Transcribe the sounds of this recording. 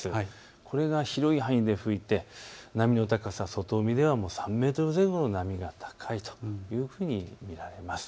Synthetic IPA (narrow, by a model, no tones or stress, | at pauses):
sɨ | kʰoɾe̞ɡaçiɾo̞iɦãĩd̪e̞ɸɯ̟it̪e̞namʲino̞t̪akasaso̞t̪o̞ːmʲid̪e̞β̞amo̞ːsãmːe̞ːt̪oɾɯzẽ̞ŋɡo̞no̞namʲiɡat̪ʰḁkʰait̪o̥jɯ̟ːɸɯ̟ːɲ̟imʲiɾaɾe̞masɨ̥